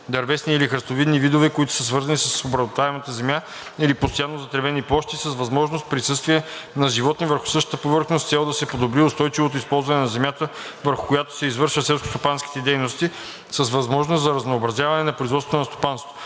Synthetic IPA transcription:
d̪ɐɾvɛsniːlixɾəst̪ovid̪nivid̪ovɛkoit̪ʊ̥səsvɤɾzɐnisəsobɾɐzot̪vaɛmət̪əzɛmja | ilipost̪ojanːozɐt̪ɾɛvɛniplˠɔʃt̪isəsvɐzmɔʒnost̪̚pɾisɤst̪viɛnɐʒivɔt̪nivəɾxʊ̥sɤʃt̪ə̥t̪əpovɤɾxnost̪sɛlˠd̪ɐsɛpod̪obɾiʊst̪ɔjt͡ʃivot̪oispɔlˠzvɐnɛnɐzɛmjat̪əvəɾxʊkojat̪o̥sɛizvɤɾʃəsɛlˠsko̥st̪opanskʲi̥t̪ɛd̪ɛjnost̪i | səsvɐzmɔʒnost̪zɐɾɐznoːbɾɐzjavɐnɛnɐpɾoizvɔt̪vot̪onɐst̪o̥panst̪t̪o

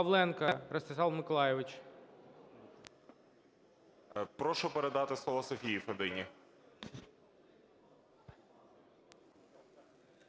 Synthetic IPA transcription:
ɐʋlˠɛnkɐɾɐst̪ɪsɑlˠmɪkɔlˠɑjɪʋɪt͡ʃ | pɾɔʃɔpeɾed̪ɑt̪ɪslˠɔʋˠɔsɔfʲijifed̪ɪnʲi

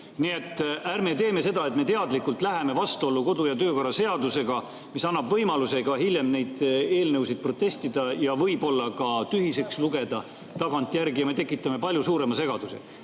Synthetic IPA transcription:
nie̞t̪ːˑæɾme̞t̪e̞ːme̞se̞d̪̥ɑe̞t̪ˑme̞t̪e̞ɑd̪likːult̪ˑlæɦe̞me̞vɑst̪uo̞lːuko̞d̪̥ujɑt̪ø̞ːko̞rːɑse̞ɑd̪use̞ɡ̥ɑ | misɑnːɑbvɤjmɑluse̞ɡɑɦilʲje̞mne̞jd̪̥e̞ːlnɤwsid̪̥̚pro̞t̪ːe̞st̪id̪̥ɑjɑvɤjbo̞lːɑkɑt̪yhise̞ksluɡe̞d̪̥ɑ | t̪ɑɡɑnt̪ːˑjæɾɡijɑme̞t̪e̞kːˑit̪ːˑɑme̞pɑlʲjusuːɾe̞mɑse̞ɡ̥ɑd̪̥usḛ

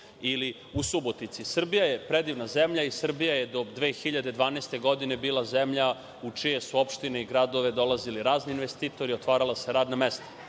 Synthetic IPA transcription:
ili | usubo̞t̪nit̪sisr̩bijajepɾed̪iʋnazemʎaisr̩bijajed̪o̞d̪ʋeːxiʎad̪ed̪ʋaːnest̪e̞ɡo̞d̪ine̞biːlazemʎa | ut͡ʂije̞suo̞pʃt̪ineiɡɾad̪o̞ʋe̞d̪o̞lˠaziliɾaːzniinʋest̪iːt̪o̞ɾiot̪ʋaːɾalˠaseɾaːd̪namest̪ḁ

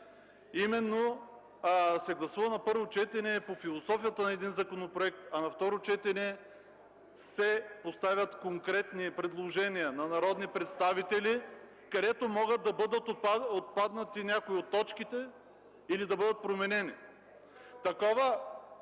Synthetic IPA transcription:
imɛnːo | sɛɡlˠɐsuvɐnɐpɤɾvot͡ʃɛt̪ɛnɛpofilˠosɔfijət̪ənɐɛd̪inzɐkonopɾoɛk̚t̪ɐnɐft̪ɔɾot͡ʃɛt̪ɛnɛ | sɛpost̪avʲjət̪koŋkɾɛt̪nipɾɛd̪lˠoʒɛnijənɐnɐɾɔd̪nipɾɛt̪st̪avit̪ɛli | kɐd̪ɛt̪omɔɡət̪̚d̪ɐbɤd̪ət̪oot̪̚pad̪nɐt̪inʲakoiot̪ːɔt͡ʃkit̪ɛ | ilid̪ɐbɤd̪ət̪̚pɾomɛnɛni | t̪ɐkɔvə

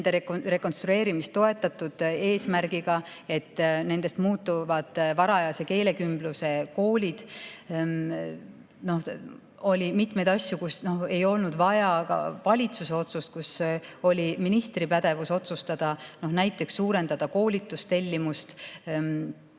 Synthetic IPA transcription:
nd̪̥eɾekre̞ko̞nst̪ɾue̞ːɾimist̪ːo̞e̞t̪ːˑɑt̪ːud̪̥e̞ːsmæɾɡ̥iɡ̥ɑ | e̞t̪ːne̞nd̪̥e̞st̪muːt̪ːuvɑd̪̥vɑɾɑjɑse̞ke̞ːle̞kymb̥luse̞ko̞ːlʲid̪̥ | no̞h | o̞lʲimit̪me̞jd̪ɑsʲjukusno̞he̞jo̞lnud̪vɑjɑɑ̰vɑlʲit̪suse̞o̞t̪sust̪̚kuso̞lʲiminist̪ripæd̪̥e̞vuso̞t̪sust̪ɑd̪̥ɑno̞hnæjt̪ːˑe̞ksːuːɾe̞nd̪ɑd̪̥ɑko̞ːlʲit̪ːˑust̪e̞lʲːimust̪

